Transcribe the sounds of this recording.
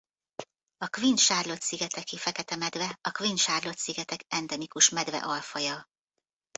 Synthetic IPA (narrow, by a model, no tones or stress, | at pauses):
ɒkʋinʃaːrlo̞t̪siɡɛt̪ɛkifɛkɛt̪ɛmɛd̪vɛɒkʋinʃaːrlo̞t̪siɡɛt̪ɛkɛnd̪ɛmikuʃmɛd̪vɛ̰ʔɒlfɒjɒ